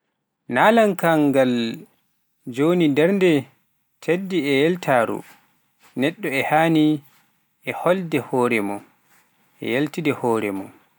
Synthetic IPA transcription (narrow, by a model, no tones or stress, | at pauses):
naːlaŋkaŋɡal | d͡ʒonidɛɾndɛ | tʰedːiɛjɛltʰaːɾṵ | nɛɗːɔɛhaːni | ɛhɔldɛhɔːɾɛmɔ | ʔɛ̰jeltidɛhɔːɾɛ̰mɔ̰